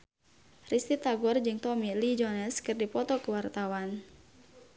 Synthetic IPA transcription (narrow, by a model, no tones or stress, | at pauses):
rist̪it̪aɡɔrd͡ʒɨŋt̪ɔmilid͡ʒɔnɛskɨrdipɔt̪ɔkəwart̪awan